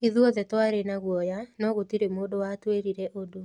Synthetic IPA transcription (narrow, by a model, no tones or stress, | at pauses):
iðwɔðɛtwaɾenaɣwɔjanɔɣotiɾemoːdowatweɾiɾɛʔodo